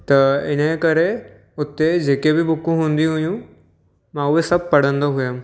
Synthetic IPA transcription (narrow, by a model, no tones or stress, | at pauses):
t̪ɐɪ̰nekəɾe | ʊt̪ːed͡ʒeːkebʱibʱʊkːũɦũnd̪iɦʊjũ | mãuʋesɐb̚pɐɽə̃nd̪oɦʊjam